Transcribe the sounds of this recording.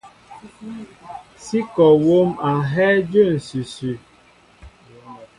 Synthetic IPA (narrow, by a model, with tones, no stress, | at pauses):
si˦kɔ˨wo˦ma˨ɦɛ˦d͡ʒo˦˨n̩˨sʉ˨sʉ˨